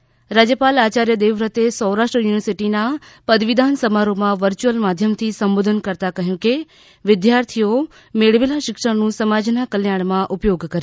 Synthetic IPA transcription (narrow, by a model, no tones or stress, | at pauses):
ɾaːd͡ʑjəpaːlaːt͡ɕaːɾjəd̪eːʋɾət̪esɔ̃ːɾaːʃʈɾəjuːnɪʋəɾsɪʈinapɐd̪ʋɪd̪ʱaːnsɐmaːɾomãʋəɾt͡ɕuəlmaːd̪ʱjəmt̪ʰisɐmboːd̪ʱənkɐɾt̪akɐɦjũke | ʋɪd̪jaːɾt̪ʰijo | meːɽʋelaʃɪkʂəɽ̃nũsɐmaːd͡ʑnakɐljaːɽ̃mãʔʊpjoːɡkɐɾjo